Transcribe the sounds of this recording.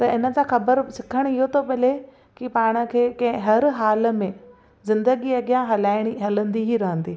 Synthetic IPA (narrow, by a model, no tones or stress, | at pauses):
t̪ɐɪnə̆d͡ʑãxɐbəɾsɪkʰəɽ̃ɪɦot̪ʰoɓɪle | kipaːɽ̃ə̆kʰeːkɐ̃ɦɪ̃ɦɐɾɦaːlə̆mẽ | zɪ̃nd̪əɡiɐɡjãɦɐlaːɪɽ̃iɦɐlə̃nd̪iɦiɾɐɦə̃nd̪iː